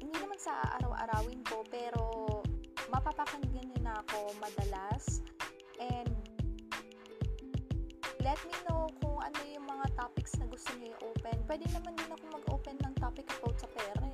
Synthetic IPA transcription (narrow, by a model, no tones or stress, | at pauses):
hɪnd̪inɐmansɐʔa̰ʔa̰ɾɐwʔɐ̰ɾaːwɪnko̞pɛːɾo̞ | mɐpapɐkɐnɡɐnɪnɐɐko̞mɐd̪ɐlas | ʔɛnd̪ | lɛt̪̚minokʊŋʔɐ̰no̞jʊŋmɐŋat̪apɪksnɐɡʊst̪oɲʊiʔoːpɛnpwɛd̪ɛŋnɐmand̪ɪnɐkomɐɡʔoːpɛnːɐŋt̪apɪkɐpowt̪̚sɐpɛːɾɐ